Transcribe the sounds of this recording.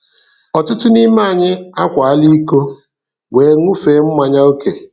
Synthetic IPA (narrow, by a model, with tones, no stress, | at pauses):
ɔ˨tʊ˦tʊ˦ni˦ma˦a˨ɲɪ˦a˦kʷa˨a˦li˦ko˦ | weː˨˦ŋʷu˦fe˨˦m̩˦ma˨ɲa˦o˦kḛ˨